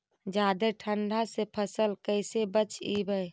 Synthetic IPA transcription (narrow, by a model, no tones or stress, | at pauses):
d͡ʒad̪eʈʰəɳɖʱasepʰəsəlkəɪsebət͡ʃibəj